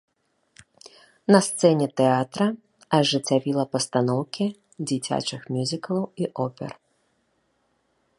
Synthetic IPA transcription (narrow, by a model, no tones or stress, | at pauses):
nɐst̪sɛnʲɛt̪ɛat̪ɾɐ | ɐʐɨt͡sʲavʲilˠɐpɐst̪anɔwkʲi | d͡zʲit͡sʲa̰t͡ʂɨxmʲjuzʲikɐlˠɐwiʔɔpʲɛ̰r